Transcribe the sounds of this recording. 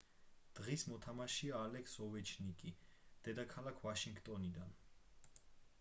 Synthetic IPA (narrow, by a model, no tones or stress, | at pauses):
d̪̥ʁismɔt̪ʰamaʃiaːlɛkʰsɔvɛt͡ʃʰnikʼid̪̥ɛd̪akʰalˠakʰvaʃiŋɡt̪ʼɔnid̪an